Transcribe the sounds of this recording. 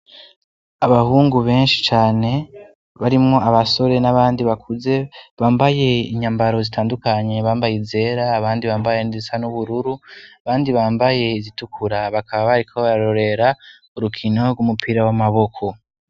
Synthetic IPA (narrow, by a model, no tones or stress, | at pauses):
aβahuːŋɡuβe̞ːnʃi̥t͡ʃaːne̞ | βaɾimŋo̞aβaso̞ɾe̞naβaːndiβakʰuze̞βaːmbaje̞iɲambaɾo̞zitaːndukaɲe̞βaːmbajize̞ɾaːβaːndiβaːmbajenizisanuβuɾuɾuaβaːndiβaːmbaje̞izitukʰuɾaβakʰaβaβaɾikʰoβaɾaɾo̞ɾe̞ɾa | uɾukʰino̞ɾɡwumupʰiɾawamaβo̞kʰo̞